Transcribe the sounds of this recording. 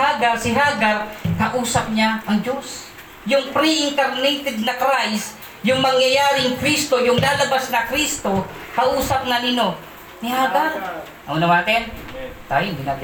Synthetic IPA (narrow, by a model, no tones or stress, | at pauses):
haːɡɐɾsɪɦaːɡaɾkɐʔuːsɐp̚ɲaʔɐŋd͡ʒo̞s | jʊŋpɾiʔɪŋt̪ɛɾnɛjt̪ɛd̪̚nɐkɾajs | jʊŋmɐŋjɐjaːɾɪŋkɾist̪o̞jʊŋlaːlɐbasnɐkɾist̪o̞kɐʔuːsɐp̚nɐnɪno̞ | nɪhaːɡaɾ | ɐŋonɐmaːt̪ɛnt̪a̰ːjond̪inat̪